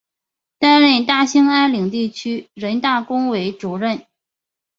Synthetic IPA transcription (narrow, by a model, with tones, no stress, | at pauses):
t̪a˥ɪle˥˩ɪt̪a˥˩ɕi˥ŋa˥ɪli˨˩ŋt̪i˥˩t͡ɕʰy˥ɻə˧˥nt̪a˥˩kʊ˥ŋwe˧˥ɪʈ͡ʂu˨˩ɻə˥˩n